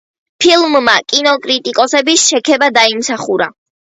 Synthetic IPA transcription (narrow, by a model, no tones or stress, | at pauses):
pʰilˠmːakʼinɔkʼɾit̪ʼikʼɔsɛbisʃɛkʰɛbad̪aimsaχuɾa̰